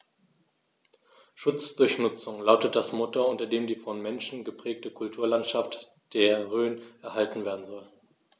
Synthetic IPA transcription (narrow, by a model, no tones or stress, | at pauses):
ʃʊt͡sd̥ʊɐçnʊt͡sʊŋlaʊtət̚d̥asmotoʊntɐdeːmdiːfɔnmɛnʃn̩ɡəpʁ̥ɛːk̚təkʰʊltʰuːɐlantʃaft | d̥eːɐʁøːnʔɛɐɦaltn̩veːɐdn̩zɔl